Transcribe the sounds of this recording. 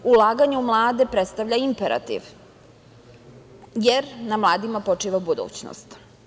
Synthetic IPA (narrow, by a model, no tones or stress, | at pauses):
ulˠaːɡaɲeumlˠaːd̪epɾet̪st̪aʋʎaimpeɾa̰t̪ḭʋ | jeɾnamlˠaːd̪imapo̞t͡ʂiːʋabud̪ṵːt͡ɕno̰st̪